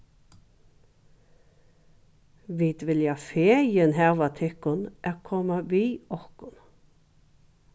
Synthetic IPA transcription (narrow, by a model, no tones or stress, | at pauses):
ʋiːd̪ʋɪljɑfeːjənhɛʋɑt̪ʰɪkʊnʔɛkʰɔmɑʋiːɔkʊn